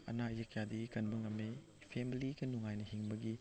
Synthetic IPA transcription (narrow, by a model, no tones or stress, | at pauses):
ɐ̰najɐkʰjadiɡikɐnbɐŋɐmːe | pʰemiliɡɐnuŋajnɐhiŋbɐɡi